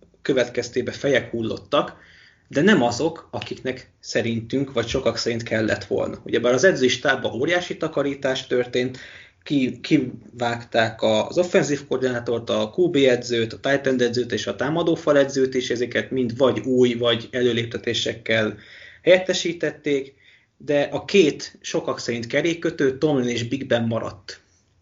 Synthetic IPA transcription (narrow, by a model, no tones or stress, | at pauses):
kø̞vɛt̪kɛst̪eːbɛfɛjɛkhuːlːo̞̰t̪ːɒk | d̪ɛnɛmɒzo̞kɒkiknɛk | sɛɾint̪yŋkʋɒcʃo̞kɒksɛɾint̪kʰɛlːɛ̰t̪ʋo̞̰lnɒ̰uɟɛbaːɾɒzɛd̪ziiʃt̪aːbɒʔoːɾijaːʃit̪ɒkɒɾiːt̪aːʃt̪ørt̪eːnt̪ | kikʰivaːkt̪aːkɒzo̞fːɛnziːfkord̪inaːt̪o̞rt̪ɒkuːbeːɛd̪zøːt̪ɒt̪aːjt̪ɛnd̪ɛd̪zøːt̪eːʃɒt̪aːmɒd̪oːfɒlɛd̪zøːt̪iʃɛzɛkɛt̪mind̪ʋɒɟuːjvɒɟɛløːleːp̚t̪ɛt̪eːʃɛkːɛlhɛjɛt̪ːɛʃiːt̪ɛt̪ːeːk | d̪ɛʔɒkeːt̪ʃo̞kɒksɛɾint̪kɛɾeːkkːøt̪øːt̪ːo̞mineːʒbiɡbɛmːɒɾɒ̰t̪ː